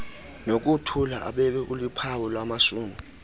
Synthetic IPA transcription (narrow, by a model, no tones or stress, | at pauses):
nok̬utʰulaʔa̰ɓɛkɛk̬ulipʰawɔlwamaʃuːmi